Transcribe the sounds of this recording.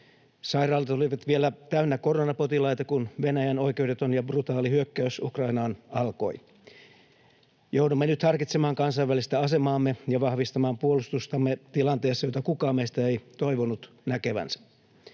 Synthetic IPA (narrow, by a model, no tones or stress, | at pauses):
sɑirɑːlt̪oliʋɑt̪ʋielæt̪æynːækoronɑpot̪ilɑit̪ɑkunʋenæjæno̞ikewdet̪onjɑbrut̪ɑːlihyøkːæysukrɑinɑːnɑlko̞̰i | joudumːenyt̪hɑrkit̪semɑːŋkɑnsɑiʋælist̪æɑsemɑːmːejɑʋɑhʋist̪ɑmɑːmpuolust̪ust̪ɑmːet̪ilɑnt̪eːsːɑjot̪ɑkukɑːmmeist̪æeit̪oiʋonut̪ | nækeʋæ̰nsæ̥